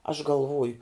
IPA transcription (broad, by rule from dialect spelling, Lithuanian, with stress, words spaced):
ɐʃ ɡɐlˠˈʋoːjʊ